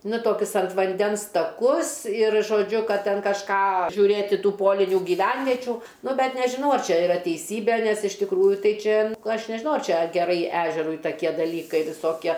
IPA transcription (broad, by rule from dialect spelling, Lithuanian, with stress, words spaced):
nʊ ˈtoːkʲʊs ɐnt ʋɐnʲˈdʲɛns tɐˈkʊs ɪr ʒoːˈd͡ʒʲʊ ˈkɐt ˈtʲɛn kɐʃˈkɑː ʒʲuːˈrʲeːtʲɪ ˈtuː ˈpoːlʲɪnʲuː ɡʲiːˈʋʲɛnʲʋʲɛt͡ʃʲuː ˈnʊ ˈbʲɛt nʲɛʒʲɪˈnɐʊ ɐr ˈt͡ʃʲɛ ɪˈrɐ tʲɛɪˈsʲiːbʲeː nʲɛs ɪʃ tʲɪkˈruːjʊ ˈtɐɪ ˈt͡ʃʲɛ ˈɐʃ nʲɛʒʲɪˈnɐʊ ɐr ˈt͡ʃʲɛ ɡʲɛˈrɐɪ ˈæːʒʲɛrʊɪ tɐˈkʲiɛ dɐˈlʲiːkɐɪ ʋʲɪˈsoːkʲiɛ